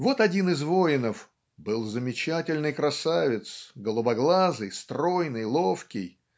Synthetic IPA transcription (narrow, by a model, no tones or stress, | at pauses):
vo̞t̪ɐdʲinɨzvo̞ɪnəf | bɨlˠzəmʲɪt͡ɕatʲɪlʲnɨjkɾɐsavʲɪt̪sɡəlˠʊbɐɡlˠazɨjst̪ɾo̞jnɨjlˠo̞fkʲɪj